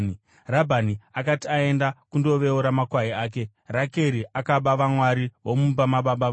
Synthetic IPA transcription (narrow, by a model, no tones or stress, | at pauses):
ni | rabʱaniakatiae̞ndakundo̞ʋe̞uɾamakwaɦiaːk̬e̞ | rake̞ɾiʔakaɓaʋamwaɾiɦomubamaɓaɓaa